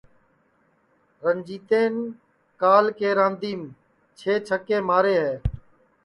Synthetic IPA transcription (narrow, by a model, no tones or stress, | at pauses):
ɾənd͡ʒiːt̪eːn | kaːlkeːɾãːnd̪iːm | t͡ʃʰeːt͡ʃʰəkeːmaːɾeːɦɛː